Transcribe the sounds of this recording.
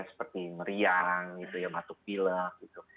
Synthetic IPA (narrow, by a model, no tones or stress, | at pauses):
asə̥pərt̪iməɾiaŋɡit̪ujabat̪ʊk̚piləhɡit̪u